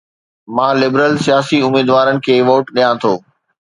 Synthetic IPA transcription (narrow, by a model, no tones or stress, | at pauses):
mãːlɪbɾəlsijaːsiʊmiːd̪ʋaːɾənɪ̆kʰeːʋoːʈɗijãt̪ʰoː